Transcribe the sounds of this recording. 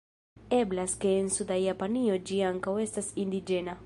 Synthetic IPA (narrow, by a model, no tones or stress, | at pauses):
eblaskeːnsud̪ajapaniod͡ʒiaŋkawest̪asind̪id͡ʒena